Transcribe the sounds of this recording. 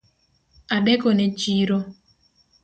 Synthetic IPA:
adɛkɔnɛt͡ʃiɾo

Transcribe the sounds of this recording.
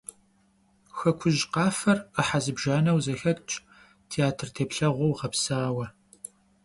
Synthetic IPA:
xɐkʷʰʊʒqɑːfɐrəħazɨbʒaːnɐwzɐxɐtʼt͡ʃʼ | tʰiaːtʰɨrtʰeːpɬɐʁʷɔwʁɐpsaːwɐ

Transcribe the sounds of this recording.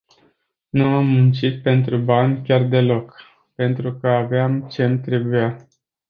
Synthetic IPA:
nuamːunt͡ʃit̪̚pe̞nt̪ɾubanʲkʲard̪e̞lo̞k | pe̞nt̪ɾukəaveamt͡ʃe̞mt̪ɾe̞buja

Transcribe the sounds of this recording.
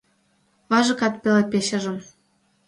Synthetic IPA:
βɑʒɤ̆kɑt̪pʲelepʲeɕə̆ʒɤ̆m

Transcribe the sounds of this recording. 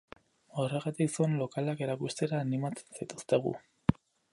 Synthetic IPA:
o̞re̞ɣat̪iksonlo̞kalake̞ɾakust̪e̞ɾaːnimat͡se̥nsit̪u̥st̪e̞ɣ̞ṵ

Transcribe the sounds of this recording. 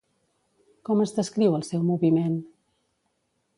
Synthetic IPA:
kɔməzðəskɾiwəlˠsɛwmuβimen

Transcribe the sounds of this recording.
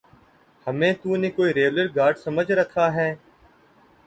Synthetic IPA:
həmẽːt̪uːneːkoːiːɾeːʋləɾɡaːɾɖsəməd͡ʒʱɾəkʰaːɦɛː

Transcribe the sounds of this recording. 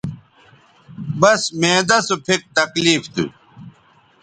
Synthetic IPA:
bɐsmẽːd̪ɐsupʰek̚t̪ɐkliːft̪ṵ

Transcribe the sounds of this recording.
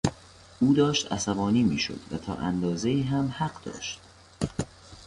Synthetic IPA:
ʔuːd̪ɒːʃt̪æsæbɒːniːmiːʃo̰d̪̥væ̰t̪ʰɒ̰ːʔæ̰nd̪ɒːze̞iːɦæmhæɢd̪ɒ̰ːʃt̪̚

